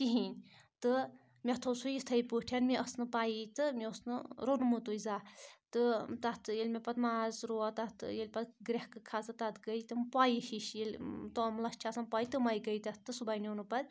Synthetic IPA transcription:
k̪iɦinʲt̪ɨ | mʲet̪ʰosujist̪ʰɐjpuʈʰjanmiʔɐsnɨpaːjit̪ɨmʲiosnɨɾonmut̪uizaːt̪ɨt̪ɐt̪ʰjelʲmʲepɐt̪maːzɾoat̪ɐt̪ʰjelʲpɐt̪ɡɾʲehkɨkʰaːzɨt̪ɐt̪ɡɐjt̪ɨmpaːihiʃjelʲt̪omlɐst͡ʃʰaːsɐnpaːit̪ɨmɐjiɡɐjt̪ɐt̪ːɨsubajnonupɐɾʲ

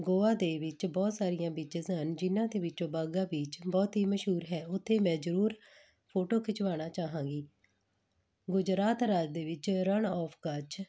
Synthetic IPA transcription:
ɡoːaːd̪eːʋɪt͡ʃbɔːt̪saːɾɪjãːbiːt͡ʃəzɦənd͡ʒɪnãːd̪eːʋɪt͡ʃõːbaːɡãːbiːt͡ʃbɔːt̪ɦiːməʃɦuːɾɦɛːʊt̪ʰːeːmɛ̃ːzəɾuːɾ | pʰoːʈoːkʰɪt͡ʃʋaːɽ̃aːt͡ʃaːɦãːɡiː | ɡʊd͡ʒɾaːt̪ɾaːd͡ʒd̪eːʋɪt͡ʃɾəɳɔːpʰkət͡ʃ

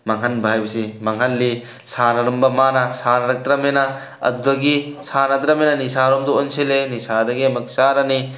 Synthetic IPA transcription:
mɐŋɦɐnbʱajbɐsimɐŋɦɐnːi | sanɐɾɔmbɐmanasanɐɾɐk̚t̪ɾɐmena | ɐ̰d̪dɐɡisanɐd̪ɾɐmenɐnisaɾɔmd̪uɔnselenisad̪ɐɡemɐk̚saɾɐni

